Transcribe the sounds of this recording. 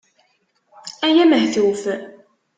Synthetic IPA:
æjæməhθuwf

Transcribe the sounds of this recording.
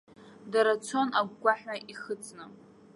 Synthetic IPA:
daɾat͡sʰo̞naɡʷɡʷaħaʔiχət͡sʼnɨ

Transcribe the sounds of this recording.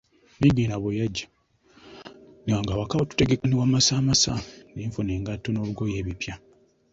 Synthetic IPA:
niɡiːnaβojaɟːa | niwaŋɡawakawotu̥teɡekaniwamasaːmasa̰ndiɱfuneːŋɡatːono̞ːβuɡo̞je̞ːβipja

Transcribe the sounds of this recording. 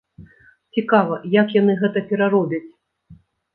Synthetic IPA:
t͡sʲikavɐjakjanɨɣɛt̪ɐpʲɛɾaɾɔbʲɐt͡sʲ

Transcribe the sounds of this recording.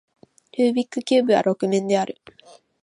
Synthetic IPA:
ɾɯːbʲikːɯkʲɨːbɯ̟βa̰ɾo̞kɯ̟mẽ̞nd̪e̞aɾɯ̟

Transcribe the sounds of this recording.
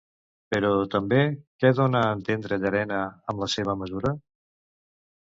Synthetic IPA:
pəɾɔt̪əmbekɛðonəːnt̪end̪ɾəʎəɾɛnəəmləseβ̞əməzuɾə

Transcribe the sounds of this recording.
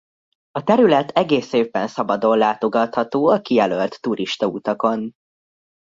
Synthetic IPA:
ɒt̪ɛɾylɛt̪ɛɡeːseːvːɛnsɒbɒd̪o̞nlaːt̪o̞ɡɒt̪hɒt̪oːɒkijɛlølt̪ːuɾiʃt̪ɒuːt̪ɒko̞n

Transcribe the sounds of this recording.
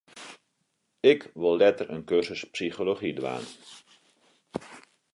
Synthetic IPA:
ɪkʋɪlˠːɛtərə̰nkørzəspsixoloχidʋa̰ːn

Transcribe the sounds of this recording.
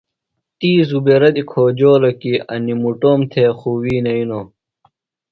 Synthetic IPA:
t̪iːzubeɾɐd̪ikʰoːd͡ʑoːlɐkiɐ̰nimuʈoːmt̪ʰeːxuːwiːnɐino

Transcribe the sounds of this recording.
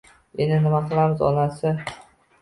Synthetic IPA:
enɪnɪmaqʰɨlˠamɪzɒ̰nasɪ

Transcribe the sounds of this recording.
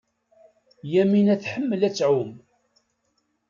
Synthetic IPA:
jæminæθħəmːəlæt͡sːʕum

